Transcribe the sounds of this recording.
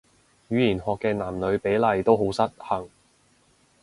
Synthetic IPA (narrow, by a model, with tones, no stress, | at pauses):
ɥyː˨˧jiː˨˩nɦɔː˨˧kːɛː˧naː˨˩mlɵ˨˧ɥpe˨˥jlɐ˨jt̪o˥wɦo˨˥wsɐ˥t̚hɐ˨˩ŋ